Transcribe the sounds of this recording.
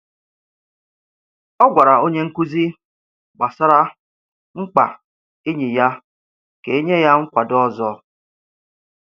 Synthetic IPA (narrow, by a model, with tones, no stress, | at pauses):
ɔ˦ɡʷa˨ɾa˨o˦ɲe˦ŋ̩˦ku˦zi˦ | ɡ͡ba˨sa˦ɾa˦ | ŋ͡m̩˦k͡pa̰˨ | e˦ɲi˨ja˦ | ke˨e˦ɲe˦ja˦ŋ͡m̩˦kʷa˨dɔ˦zɔ˦